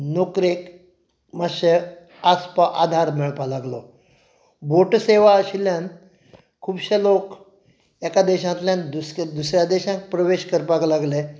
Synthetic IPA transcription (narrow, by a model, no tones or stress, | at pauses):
nokɾek | məɕe | aspaʔad̪ʱaɾmiɭpalaɡlo | boʈseʋaəɕiljãn | kʰuːbɕelok | ekad̪eɕãt̪ljãnd̪usd̪usɾjad̪eɕãŋk̚pɾəʋeɕkəɾpaklaɡle